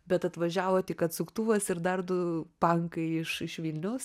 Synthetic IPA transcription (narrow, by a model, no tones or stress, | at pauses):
bʲɛt̪ɐt̪ʋɐʒʲæːʋoːt̪ʲɪkɐt̪sʊkt̪uːʋɐsɪɾd̪ɐrd̪ʊpɐŋkɐɪɪʃɪʃʋʲiːlʲnʲɛʊs